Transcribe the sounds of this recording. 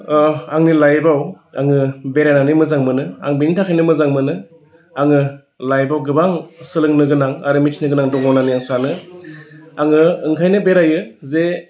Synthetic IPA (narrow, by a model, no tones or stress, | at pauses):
aŋnilajbaw | a̰ŋɯbeɾajnanɯmɯzaŋmɯnɯa̰ŋbintʰakʰajnɯmɯzaŋmɯnɯ | aŋɯ | lajbawɡɯbaŋsɯlɯŋnɯɡɯnaŋa̰ɾɯmitʰnɯɡɯnaŋdɔŋɔwnanijaŋsanɯ | aŋɯːŋkʰajnɯbeɾajɯze